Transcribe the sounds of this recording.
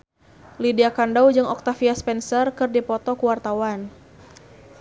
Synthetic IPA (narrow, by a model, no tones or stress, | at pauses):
lidiakandawd͡ʒɨŋɔk̚t̪afiaspɛnsərkɨrdipɔt̪ɔkuwart̪awan